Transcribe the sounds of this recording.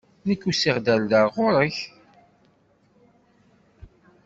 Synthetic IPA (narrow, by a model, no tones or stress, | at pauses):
nəkːusiʁd̪æld̪aʁʊɾˤəç